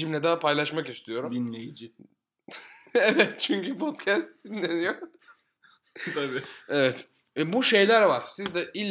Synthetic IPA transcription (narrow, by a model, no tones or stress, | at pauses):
imlʲɛd̪aːpʰajlˠaʃmakist̪ʰijo̞ɾumd̪inlʲejid͡ʒi | evɛt̪̚t͡ʃʰyɲcypʰot̪cʰæst̪̚d̪inlʲenijoɾ | t̪ʰabievɛt̪ | ɛbuʃe̞jlʲæɾvaɾ̥sizd̪ɛʔilʲː